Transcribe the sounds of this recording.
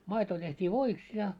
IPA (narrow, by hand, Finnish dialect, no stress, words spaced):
mɑito tehtʲiː ʋoiks jɑ